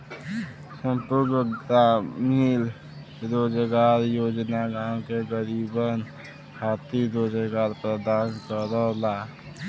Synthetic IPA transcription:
sə̃mpuɡɡt̪amil | ɾod͡ʒɡaːɾjod͡ʒnaɡãkeɡəɾibən | hat̪iɾoːd͡ʒəɡaːɾpɾəd̪aːnkəɾəla

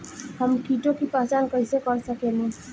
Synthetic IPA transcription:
həmkiʈokipət͡ʃankəisekɔɾsəkeni

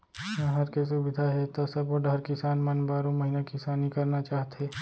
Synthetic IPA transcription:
mɐɦɐɾkes̬ʊbɪd̪ʱaɦɛt̪osɐboɖʱəɾkɪsaːnmənbaːɾõmɐɦinakɪsaːnikɐɾnat͡ʃaːɦt̪eː

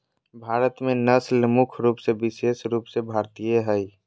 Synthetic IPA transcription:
bʱaːɾət̪mẽnəslmʊkʰɾuːpsebɪsesɾuːpsebʱaːɾt̪ijeɦəj

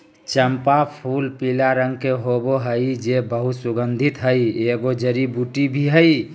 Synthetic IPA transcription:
t͡ʃəmpapʰulpilaɾəŋɡkeɦoboɦəjd͡ʒebəɦut̪suɡənd̪ʱit̪ɦəieɡod͡ʒəɾibuʈibʱiɦəi

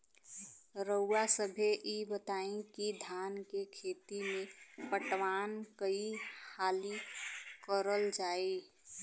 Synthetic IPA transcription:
ɾəwasəbʱeʔibət̪aĩkid̪ʱankekʰet̪imepəʈʋankəihalikəɾəld͡ʒaːi

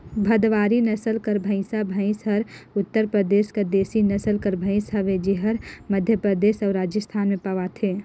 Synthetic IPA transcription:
bʱəd̪ʋaːɾinəsəlkəɾbʱə̃ɪ̃sabʱə̃ɪ̃sɦəɾʊt̪ːəɾpɾəd̪eːskad̪eːsinɐsəlkəɾbʱə̃ɪ̃sɦəʋed͡ʒiɦəɾməd̪ʱjəpɾəd̪eːsɔːɾaːd͡ʒjəst̪ʰaːnmẽpəʋat̪ʰeː

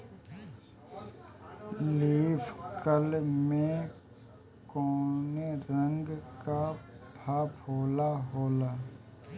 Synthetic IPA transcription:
liːfʰkəlmẽ | koːneɾə̃ŋɡkabʱaːpɦoːlaɦoːlaː

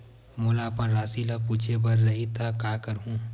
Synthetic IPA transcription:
mʊːlapɐnɾaːsilapuːt͡ʃʰebɐɾːɐɦit̪ʰakaːkɐɾɦũː

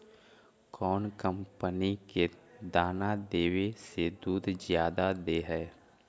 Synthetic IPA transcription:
kɔːnkə̃mpəniked̪aːnad̪eːwesed̪uːd̪ʱzjaːd̪ad̪eːɦɛː

